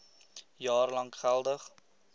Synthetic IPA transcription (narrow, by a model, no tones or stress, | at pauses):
jɑːrlɐŋχælˠdəχ